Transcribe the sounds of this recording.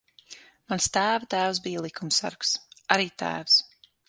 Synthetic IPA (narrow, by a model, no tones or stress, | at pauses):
manst̪æːvat̪æːwsbijalˠikʰumsa̰ɾksaɾiːt̪æ̰ːvs